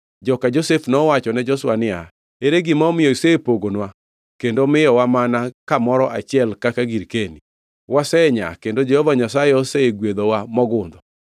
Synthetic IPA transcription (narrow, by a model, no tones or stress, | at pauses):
d͡ʒɔkad͡ʒosefnɔwat͡ʃɔnɛd͡ʒɔswanɪa | eɾeɡɪmaɔmɪjɔisepoɡonwa | kendomɪjɔwamanakamɔɾɔʔa̰t͡ʃɪɛlkakaɡiɾkeni | wasɛɲa̰kendod͡ʒɛhɔvaɲasajeɔseeɡwed̪owamɔɡʊnd̪ɔ